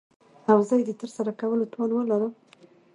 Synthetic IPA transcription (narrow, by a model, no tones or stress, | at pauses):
awzajd̪et̪əɾsaɾakawəlot̪ʰolwəlaɾə